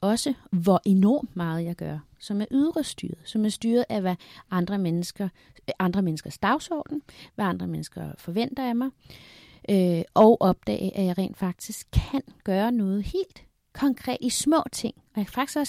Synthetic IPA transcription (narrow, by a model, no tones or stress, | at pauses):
ɒ̽səʋɒʔe̝nɒ̰ːmmɑ̈ːð̞̩ˠjɑ̈ɪɡ̥ɶɐ | sɒ̽mæɐʔyð̞ˠʁəsd̥y̰ːɐð̞̩ˠsɒ̽mæɐsd̥yːɐð̩ˠæʋæɑ̈nd̥ʁɐmenəsɡ̥ɐ | ʔɑ̈nd̥ʁɐmenəsɡ̥ɐsd̥ɑ̈ʊsɒ̰ːd̥n̩ʋæɑ̈nd̥ʁɐmenəsɡ̥ɐfɒ̽ʋen̰d̥ɐjɑ̈mɑ̈ɪ | ʔøʔɒ̽ʊʔɒ̽b̥̚d̥ɛ̰ːɪʔæjɑ̈ɪʁɛ̰ːnd̥fɑ̈ɡ̥̚d̥isɡ̥̚kʰænɡ̥ɶːɐnɔ̽ːð̞̩ˠhe̝̰ːld̥ | kʰɒ̽ŋkʰʁɛ̰ːd̥ismɔ̰̽ːt͡sʰe̝ŋ̰ɒjɑæfɑ̈ɡ̥isɒ